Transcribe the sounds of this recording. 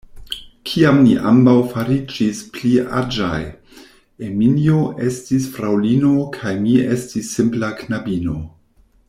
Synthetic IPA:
kʰiamniʔa̰mbawfaɾid͡ʒispliʔa̰d͡ʒa̰j | eminioʔe̞stisfɾawlino̞kʰajmie̞stisːimplaknabino̞

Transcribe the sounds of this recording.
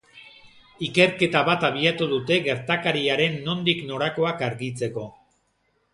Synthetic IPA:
ike̞ɾke̞t̪aβat̪aβ̞iat̪uðut̪e̞ɣe̞ɾt̪akaɾiaɾe̞nːo̞nd̪ikno̞ɾako̞akaɾɣit͡se̞ko̞

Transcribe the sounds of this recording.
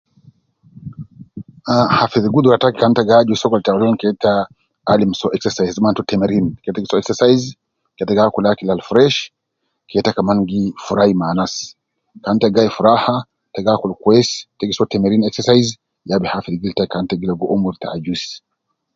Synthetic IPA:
ahafiðɡud̪ɾatakikantaɡad͡ʒusɔkɔltawlɔnkɛtaː | limsɔʔɛksɛsajzmantɔtɛmɛɾinkɛtaɡisɔɛksɛsajz | kɛtaɡakɔlakilalfɾɛʃ | kɛtakamanɡifuɾajmanas | kantaɡajfuɾaha | taɡakɔlkwɛstaɡisɔtɛmeɾinɛksɛsajz | jabɛhafidɡiltaikantaɡilaɡɔʔomuɾtaad͡ʒus

